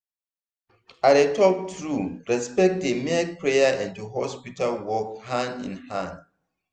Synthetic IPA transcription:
aetʰɔk̚tɹuɹɛspɛk̚t̚demepʰɹejaʔɛ̃ntuɦɔspitalwɔkhãnḭ̃nhãn

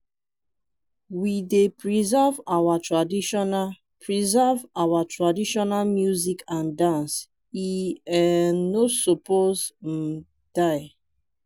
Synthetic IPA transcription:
widepɹizavawatɹadiʃɔna | pʰɹizavawatɹadiʃɔnalmjuzikãndãns | iɛnosopozm̩ | d̥aɪ

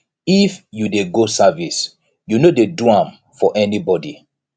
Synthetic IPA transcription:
ifjudeɡosavis | junodeduãm | fɔʔɛnibɔdi

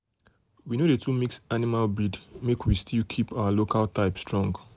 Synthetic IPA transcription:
winodetʰumiksanimalbɹidmekwistʰilkʰipaalokaltaɪpstɹɔ̃ŋɡ

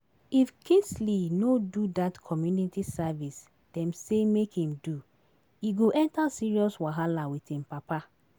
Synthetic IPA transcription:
ifkʰĩnslinodudatkʰɔmjunitisavis | d̥ɛ̃msemekhĩmdu | iɡoʔɛ̃ntasiɹiɔswaɦalawitĩmpapa

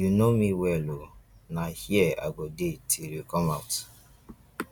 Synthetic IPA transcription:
junomĩwɛlonahiɛa̰ɡɔdetʰiɾokɔmaʊt

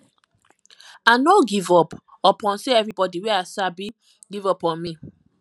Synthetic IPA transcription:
anoɡivɔp | ɔpʰɔ̃nseɛvɹibɔdiwɛasabi | ɡivɔpɔ̃nmi

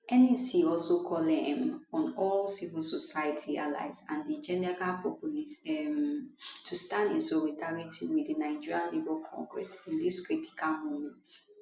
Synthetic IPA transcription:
ɛnɛsiɔlsokʰɔlɛ̃mɔ̃nɔlsivilsɔsajətʰia̰la̰ɪzãndid͡ʒɛnɛɹalpʰɔpulisɛmtʰustãndĩnsɔlidaɹitʰiwidinaɪd͡ʒiɹiãnlebɛlkʰɔ̰̃ŋɡɹɛ̰sĩndiskɹiti̥kʰalmomɛ̃nt

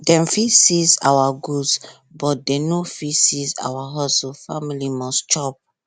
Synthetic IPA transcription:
dɛ̃mfisisa̰waɡus | bɔt̚denofisiza̰waɦɔsɔfamilimɔst͡ʃɔp̚

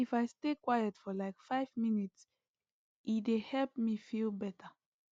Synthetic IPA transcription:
ifaɪstekwajətfɔlaɪkfaɪvminits | ʔidehɛlp̚mifilbɛtʰə

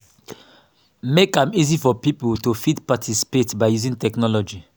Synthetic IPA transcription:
mekãmizifɔpipoltufidpatʰisi̥petbaɪjuzĩntɛknɔlɔd͡ʒi

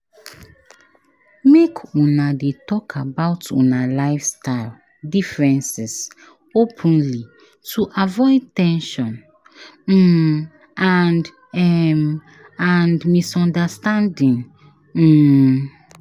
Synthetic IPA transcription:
mekʰũnadetɔkʰabaʊtʰṵ̃nalaɪfstaɪl | difɹɛ̃nsis | opʰə̃nli | tʰuʔavɔɪdtɛ̃nʃɔ̃n | m̩ | and | ɛm | andmisɔ̃ndastãndĩŋ̩

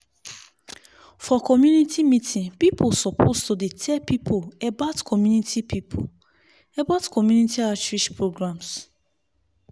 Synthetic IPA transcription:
fɔkɔmjunitʰimitʰĩnpipʰosɔpʰostudetʰɛpipʰoebatkʰɔmjunitʰipʰipʰo̰ | ɛbatkɔmjunitiat͡ʃɹiʃpɹoɡɹãms

